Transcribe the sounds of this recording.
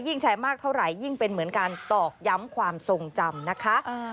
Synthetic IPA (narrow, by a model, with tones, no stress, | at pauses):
ji˥˩ŋt͡ɕʰa˧˩jmaː˥˩k̚t̪ʰa˥˩wɾa˨˩jːi˥˩ŋpe˧nmɯ˩˦nkaː˧nt̪ɔː˨˩k̚ja˦˥mkʰwaː˧mso˧ŋt͡ɕa˧mna˦˥kʰa˦˥ʔ